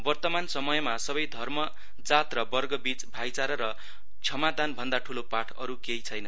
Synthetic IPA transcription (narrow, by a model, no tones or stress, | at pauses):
bʌrt̪ʌmansʌmʌjmasʌbʌjd̪ʱʌrmʌ | d͡zat̪rʌbʌrɡʌbit͡sbʱajt͡saɾʌɾʌ | t͡sʰʌmad̪anbʱʌnd̪aʈʰulopaʈʰʌ̰ɾukeɦit͡sʰʌjnʌ